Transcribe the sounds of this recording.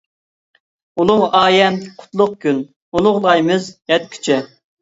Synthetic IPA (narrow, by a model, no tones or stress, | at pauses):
ulˠʊʁɑːjɛnqʰʊ̥t̪lˠʊq̚kʲyn | ulˠʊʁlˠɑjmɨzjɛt̪̚kʲʰy̥t͡ʃʰɛ